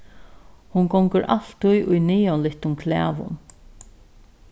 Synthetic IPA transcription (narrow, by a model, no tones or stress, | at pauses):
hʊnɡɔŋkəɾʔa̰l̥t̪ːʊjʔʊjniːɔlɪht̪ʊŋkʰlɛ̰ːʋʊ̰n